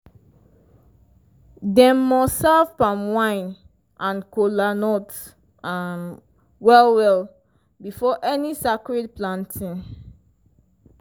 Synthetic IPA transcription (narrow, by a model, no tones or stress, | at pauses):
dɛ̃mːɔsːavpãmwãɪ̃n | ʔãnkolanɔt | an | wɛlwɛl | bifɔʔɛnisakɹed̚plãntʰĩn